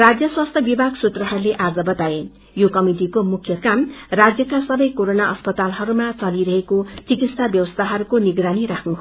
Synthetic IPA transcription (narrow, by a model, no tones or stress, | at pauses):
rad͡zjʌswast̪ʰjʌbibʱaɡsut̪rʌɦʌɾuleʔad͡zʌbʌt̪ae | jokʌmiʈikomukʰjʌkamrad͡zjʌkasʌbʌjkoɾonaʌspʌt̪alɦʌɾumat͡sʌliɾʌɦekot͡sikit̪sabjʌwʌst̪ʰaɦʌɾukoniɡɾaniɾakʰnuɦ